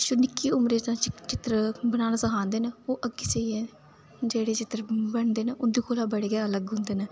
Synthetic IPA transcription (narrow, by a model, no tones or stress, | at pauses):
ʃʊnɪkːiːʊmɾeːt̪ãːt͡ʃt͡ʃɪt̪ɾbənaːnasəkʰãːnd̪eːneːoːʔəɡiːseieː | d͡ʒeːɽeːt͡ʃɪt̪ɾbəɳd̪eːneːʔʊnd̪iːkʰoːlaːbəɽeːɡɛːələɡɦʊ̃nd̪eːnɛː